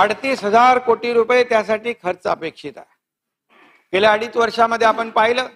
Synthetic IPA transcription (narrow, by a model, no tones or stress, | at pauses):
əɽt̪iːsɦəd͡zaɾkoʈiːɾupet̪jasaʈiːkʰəɾt͡səəpekʂit̪a̰e | keljaəɽiːt͡sʋəɾʂaməd̪ʱːjeapəɳpaɦiləː